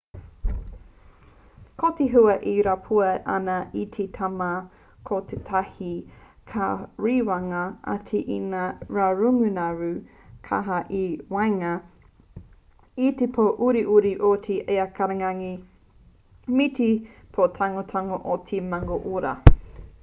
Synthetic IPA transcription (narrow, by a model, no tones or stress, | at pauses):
kot̪eɦuɐʔiɾapʰuɐʔɐ̰nɐʔit̪ʰetʰama | kʰot̪ʰetʰahi | kʰaɹiwaŋɐʔa̰tʰiʔḭnaɾaɾuŋʉnaɾʉ | kʰa̰ɦɐʔiwajŋɐ | it̪epʰoʔuɾiʔuɾiʔotʰiʔeakʰɐɾeŋaŋi | mitipʰot̪ʰaŋot̪ʰaŋoʔot̪ʰemaŋoʔoɾɐ̰